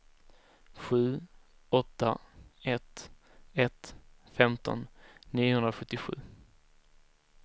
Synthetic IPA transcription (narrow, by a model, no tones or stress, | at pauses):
ɧʉ̟ː | ɔt̪ːaɛt̪ | ɛt̪fɛmt̪ɔ̰nːiːʊhɵnɾaɧɵt̪ːɪɧʉ̟̰ː